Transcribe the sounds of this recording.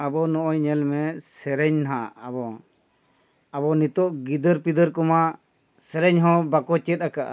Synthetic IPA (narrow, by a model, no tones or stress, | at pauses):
abɔnɔʔɔjɲɛlmɛsɛɾɛɲnɦaʔʔabɔ | abɔnit̪ɔʔɡid̪əɾpid̪əɾkɔma | sɛɾɛɲɦɔ̃bakɔt͡ʃɛt̪̚akaʔa̰